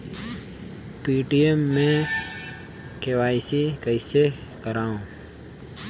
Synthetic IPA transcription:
piːʈiemːẽ | keʋaːisikəɪsekəɾaːõː

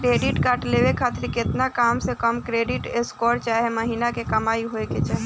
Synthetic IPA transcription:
kɾeɖiʈkaːʈlebekʰat̪ɪɾket̪nakamsekəmkɾeɖiʈeskɔɾt͡ʃaɦɛməɦinakekəmaiɦoeket͡ʃʰaɦe

